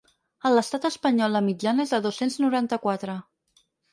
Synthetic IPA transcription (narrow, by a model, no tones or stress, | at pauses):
ələst̪at̪əspəɲɔlˠəmid͡ʒanəezðəðosenznuɾant̪əkwat̪ɾə